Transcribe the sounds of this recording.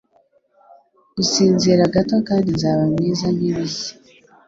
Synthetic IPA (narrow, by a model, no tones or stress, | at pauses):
usiːnzeɾaɡato̞kaːndinzaːβamŋiːzan̥iβisi̥